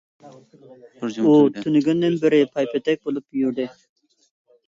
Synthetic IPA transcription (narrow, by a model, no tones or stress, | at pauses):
ut̪ʰʊnɡʲɪnd̪ɪnbɪɾɪpʰɑjpet̪ɛk̚bolˠɪpjuɾd̪ɪ